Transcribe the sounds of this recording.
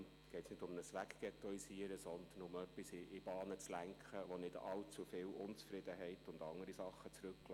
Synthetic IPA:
ɡ̥ɛɪtsnɪdʊmnəsʋækɡ̥ɛt̪ɔisiəɾəsɔnd̪ənʊmœpːisɪɪb̥ɑːnət͡slæŋkχəʋonɪdɑlt͡sufɪːlʔʊnt͡sfɾɪd̥̪əɦɛɪtʊndɑŋəɾisɑχːət͡sɾʉkːl

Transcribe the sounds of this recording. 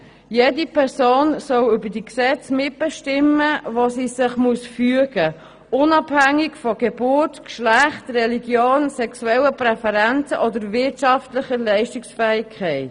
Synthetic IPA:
jedipʰɛɾsoːnsɔlʏbəd̥iksɛt͡smɪt̚b̥ɛʃtɪməvosiːsɪχmuəsfyəɡ̥ə | ʔʊnɑbhæŋːɪkfɔɡ̥eb̥ʊrtkʃlæχtrɛliɡjoːnsɛksuɛləpɾɛfɛɾɛnt͡səʔɔdəɾvɪɾtʃɑftlɪχəlɛɪʃtɪksfɛːɪkʰːɛɪt

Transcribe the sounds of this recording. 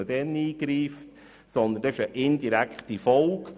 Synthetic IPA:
əd̥ɛniːɡ̥ɾiːft | sɔnd̪əndɛɪʃəʔɪnd̥iɾækχtifɔlk

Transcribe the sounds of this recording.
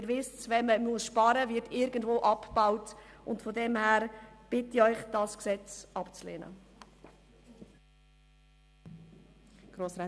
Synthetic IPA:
ɪɾʋɪst͡sʋɛməmuəsʃpɑɾəvɪtɪɾɡəndvoːʔɑpb̥awtʊntfodɛmhæːɾb̥ɪtːiœʏχd̥ɑsksɛt͡sɑpt͡slḛːnə̰ | ɡ̥ɾoːsɾɛ

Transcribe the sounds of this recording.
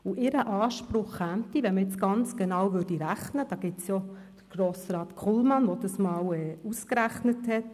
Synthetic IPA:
uʔɪɾəʔɑːʃpɾʊχːæmt̪iʋɛnməjɪt͡sɡ̥ɑnt͡sɡ̥enɑwʋʏrdiɾæχnəd̥ɑːɡ̥ɪtsjo | d̥əɾɡ̥roːsɾɑːtkʰχulmɑnʋod̥̪ɑsmɑːwɛːuskɾæχnəthɛt

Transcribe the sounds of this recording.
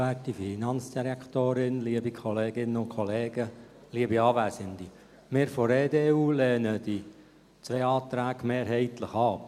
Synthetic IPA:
æːtifinɑnt͡sd̪̥iɾɛkχt̪oːɾɪnliəbikʰɔleːɡ̥ɪnːəʊnkʰχɔleːɡə | liəbiɑːʋæsənd̥i | mɪːɾfɔɾeːd̪eːuːleːnəd̥i | t͡sʋeːɑːt̪ɾæːɡmeːɾɦɛɪt̪ləχɑ

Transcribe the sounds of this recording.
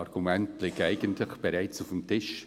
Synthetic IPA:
ɑɾɡ̥umɛntlɪkæɪɡəntlɪxb̥eɾaɪt͡sʊfmtʰɪʃ

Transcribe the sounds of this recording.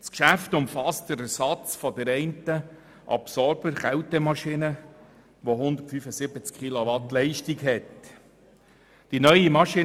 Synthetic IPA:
skʃæftʊmfɑst̚d̥əɾəsɑt͡sfɔdəɾɛɪntə | ʔɑ̰psɔɾbəɾχæwtəmɑʃinə | ʋoɦʊnd̪ətfyfəsɪbət͡skχiloʋɑtlɛɪʃtiɡɦɛt | d̥inœʏimɑʃi

